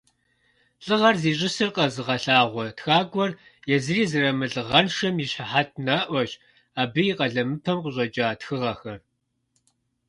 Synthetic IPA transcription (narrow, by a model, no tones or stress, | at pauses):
ɬʼɨʁɐrziːɕ̬ʼɪsɨrqɐzɨʁɐɬaːʁʷɔtxaːɡʷɔr | jɛzɨriːzɨrɐmɨɮɨʁɐnʃɐmjiɕaħat̚ʰnɐʔʷɔɕ | aːbɨjiqʼɐɮɐmɨpʰɐmqʷʼʊɕʼɐd͡ʒʼaːtxɨʁɐxɐr